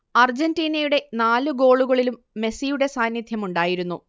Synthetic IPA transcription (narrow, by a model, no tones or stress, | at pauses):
ɐrd͡ʑɐndiːnɐjuɽe̞naːlɨɡo̞ːɭuɣɐɭilumːe̞sijuɽe̞saːnjɐd̪ʱjɐmuɳɖaːjiɾunːu